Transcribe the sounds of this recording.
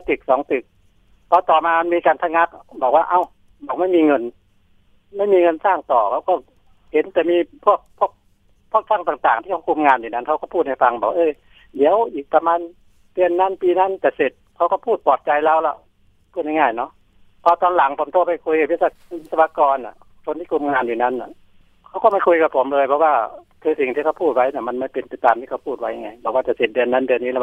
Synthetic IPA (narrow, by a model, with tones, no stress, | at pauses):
t̪ɯ˨˩k̚sɔː˨˦ŋt̪ɯ˨˩k̚ | pʰɔː˧t̪ɔː˨˩maː˧ma˧nmiː˧kaː˨nt̪ʰa˧ŋa˧˥˩k̚bɔː˨˩k̚waː˧ʔa˧˨w | bɔː˨˩ma˥˩jmiː˧ŋɤ˧n | ma˥˩˨jmiː˧ŋɤ˧nsaː˧˥˩ŋt̪ɔː˨˩kʰa˧˩wkɔː˧˩ | he˨˦nt̪ɛː˨˩miː˧pʰu˥˩ək̚pʰu˥˩ək̚ | pʰu˥˩ək̚fʰa˧˥˩ŋt̪aː˨˩ŋt̪aː˨˩ŋt̪iː˧˩kʰa˧wkʰu˧mŋaː˧niː˨˩na˧˥˨nkʰa˧wkɔ˧˩pʰuː˥˩t̪̚ha˥˩fa˧ŋbɔː˨˩wa˧ʔɤː˧ | di˨˦əwʔiː˨˩k̚pa˧maː˧n | dɯ˧ənːa˧˥˨npiː˧na˧˥˨nt͡ɕa˧˩se˨˩t̪̚kʰa˧˥wkɔ˧˩pʰuː˥˩t̪̚pɔː˨˩t̪̚t͡ɕa˧jlaː˧˨wlɛ˧˩ | pʰuː˥˩t̪̚ha˧ŋaː˧˩jnɔ˧˥˨ | pʰɔ˧t̪ɔː˧nla˨˦ŋpʰo˨˦mt̪ʰoː˧˥˩p̚ha˧˩jkʰu˧jka˨˩p̚ʰi˧˥˨a˧ | i˧˥˩sa˧a˧kɔː˧nʔa̰˨ | kʰo˧nʰiː˧˩ku˧˦mŋaː˧njuː˨na˧˥˨nːa̰˧˨ | kʰa˧˩wkɔː˧˩ma˧˥˩jkʰu˧jka˨˩pʰo˨˦mlɤː˧jpʰɔ˧waː˧˩ | k̪ʰɯː˧si˨ŋt̪ʰiː˧kʰa˧wpʰuː˥˩t̪̚wa˧˥˩jna˧˩ma˧˨nma˧˥˩jpe˧npa˧jt̪aː˨mt̪ʰiː˧˨a˧wpʰuː˧˥˩t̪̚wa˧˦jha˧˩ŋa˧˩jbɔː˨˩kwaː˧˩t͡ɕa˨˩se˨˩t̪̚dɯ˧ənːa˧˥˨ndɯ˧ənːiː˧˨ɛ˧˩˧